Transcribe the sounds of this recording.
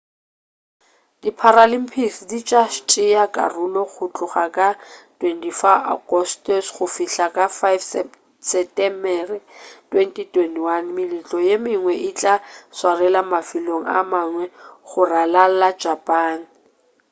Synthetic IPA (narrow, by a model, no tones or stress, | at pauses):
d̥ipʰaɾalim̩pʰisdit͡ʃʼaʃt͡ʃʼɪjakʼa̰rulɔχʊt͡ɬʼʊχakʼatʼwentʼifaa̰ɡ̥ɔstɔsχʊfiɬakʼafajf | sɛtɛmbɛritwentʼitwentʼiwanmɪlɪt͡ɬʼɔjemɪŋwɛʔɪt͡ɬʼaswarɛlamafiloŋ̩a̰maŋwɛχʊralallad͡ʒapʼaːn̩